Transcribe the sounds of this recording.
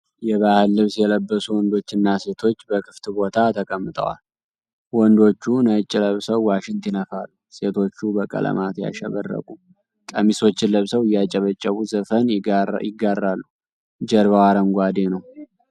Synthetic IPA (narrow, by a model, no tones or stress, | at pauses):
jɛβahɨlːɨβsjɛləbːəsuwɔnd̪o̞t͡ʃːɨnːase̞t̪ʰo̞t͡ʃːbəkʰɨft̪bo̞t̪ʰat̪ʰəkʼəmːɨt̪ʼə̰wa̰l | wɔnd̪o̞t͡ʃːunat͡ʃʼːɪləβsəwːaʃɪnt̪ɪnəfalːuse̞t̪ʰo̞t͡ʃːubəkʼə̰lə̰mat̪ja̰ʃɛβə̰rːə̰kʼu | kʼəmiso̞t͡ʃːɪləβsəwɨjːat͡ʃʼɛβət͡ʃʼːəβuzəfənjɪɡːarːalːu | d͡ʒəɾβawaɾəŋɡʷad̪enəw